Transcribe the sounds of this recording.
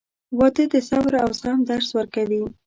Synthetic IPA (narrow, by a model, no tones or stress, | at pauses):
wɑt̪ed̪əsabɾawsɣamd̪aɾswəɾkawi